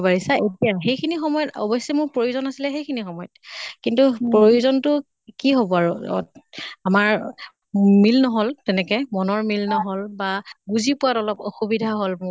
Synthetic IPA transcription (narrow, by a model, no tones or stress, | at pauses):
baɹisaʔetijaxejkʰinixɔmɔjɔtɔ̰bɔjsɛmʊɹpɹojuzɔnasilɛxejkʰinixɔmɔjɔtkintupɹojuzɔntʊ | kiɦobɔaɹṵ | amaɹ | milnɔɦoltɛnɛkɔmɔnɔɹmilnɔɦɔlbaɡuzipʊwatɔlɔpoxubidʱaɦolm